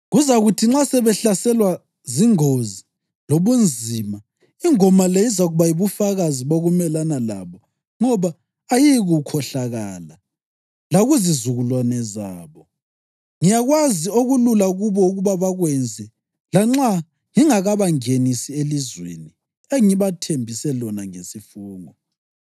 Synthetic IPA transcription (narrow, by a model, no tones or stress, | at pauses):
ɣuzaɣutʰiŋ͡ǁasɛβɛɬasɛlwa | ziŋozi | loβund͡zʱima | iŋɔmaleizaɣuβajiβufaɣaziβoɣumɛlanala̰βɔ | ŋɔβaː | jiɣukʰɔɬaɣaːla | laɣuzizuɣulwanɛzaːβɔ | ŋijaɣwazioɣululaɣuβɔuɣuβaβaɣwɛnd͡zʱɛ | laŋ͡ǁa | ŋiŋaɣaβaŋenisielizwḛni | eŋiβatʰembʱisɛlɔnaŋesifuːŋɔ